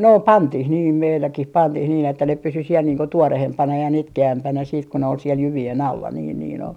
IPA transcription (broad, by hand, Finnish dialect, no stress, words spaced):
no pɑntih niːm meilːækih pɑntih niːn etːæ ne pysy siel niːŋ ko tuorehempɑnɑ jɑ nitkeæmpænæ siːt ko ne ol siel jyʋien ɑlːɑ niːn niːn ol